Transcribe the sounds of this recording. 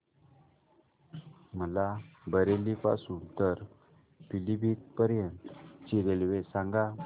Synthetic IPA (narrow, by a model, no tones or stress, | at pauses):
məlabəɾelipa̰suːnt̪əɾ | pilibʱit̪̚pəɾjənt̪t͡ɕiɾelʋesãŋɡa